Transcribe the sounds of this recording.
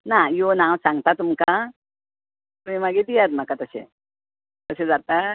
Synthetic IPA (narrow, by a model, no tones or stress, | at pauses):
najonawsãŋɡt̪at̪umka | t̪umimaɡed̪ijat̪̚m̤akat̪əsḛ | t̪əsed͡zat̪a